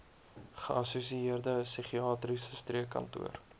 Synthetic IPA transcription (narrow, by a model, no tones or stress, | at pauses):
χəʔɐsusiiərdəəsiχiɑːtrisəstriəkɐ̰ntṵər